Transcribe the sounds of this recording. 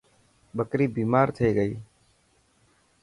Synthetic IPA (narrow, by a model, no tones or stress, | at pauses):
ɓəkɾiːbiːmaːɾt̪ʰəeːɡəiː